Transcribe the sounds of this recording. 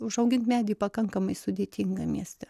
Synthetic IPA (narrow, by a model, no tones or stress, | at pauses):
ʊʒɐʊɡʲɪnt̪mʲæːd̪ʲiːpɐkɐŋkɐmɐɪsʊd̪ʲeːt̪ʲɪŋɡɐmʲiɛsʲt̪ʲɛ